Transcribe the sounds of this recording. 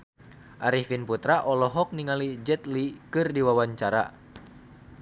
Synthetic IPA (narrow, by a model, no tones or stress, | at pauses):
ʔaɾifinput̪ɾaʔɔlɔɦɔk̚niŋalid͡ʒɛt̪likɨrdiwawaɲt͡ʃaɾa̰